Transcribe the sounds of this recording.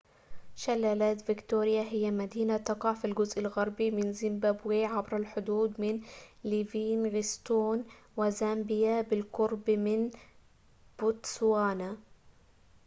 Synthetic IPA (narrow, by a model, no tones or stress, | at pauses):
ʃalːaːlaːt̪vɪkt̪uːɾɪjaɦɪjːamad̪iːnat̪ɑqɑʕfilɡʊzʔɪlɣɑɾˤbimɪnzɪmbaːbweːʕabɾalħʊd̪uːd̪mɪnliviːnɣɪst̪uːnwɪzaːmbɪjabɪlqʊɾbmɪn | b̥ʊt̪swaːna